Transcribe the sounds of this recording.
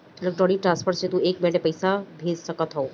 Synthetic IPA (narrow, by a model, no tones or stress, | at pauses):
ələk̚ʈɔɽiʈɾãnspʰəɾt͡ʃʰet̪ũeːkmeʈepəjsabʱeːd͡ʒsəkət̪ɦɔo